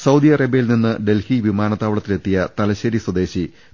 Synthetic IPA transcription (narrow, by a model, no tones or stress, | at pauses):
sɐwd̪ijɐrɐbejilninːɨɖe̞lhiʋimaːnɐt̪ːaːʋɐɭɐt̪ːile̞t̪ːijɐt̪ɐlɐɕɐɾiswɐd̪e̞ːɕi